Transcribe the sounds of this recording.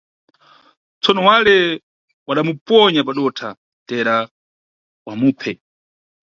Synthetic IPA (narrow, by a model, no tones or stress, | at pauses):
t͡sɔnɔwalɛ | waɗamupɔɲapaɗɔtʰa | tɛɾa | wamuːpʰɛ